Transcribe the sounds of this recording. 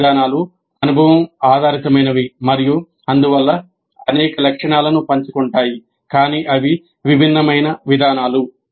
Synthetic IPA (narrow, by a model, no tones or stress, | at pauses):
d̪aːnaːlu | ɐnubʱɐʋɐmaːd̪ʱaːɾit̪ɐmɐjnɐʋimɐɾiju | ɐnd̪uʋɐlːɐ | ɐnɛːkɐlɐkʂɐɳaːlɐnupɐɲt͡ʃukuɳʈaːji | kaːniːʔɐʋi | ʋibʱinːɐmɐjnɐʋid̪ʱaːnaːlu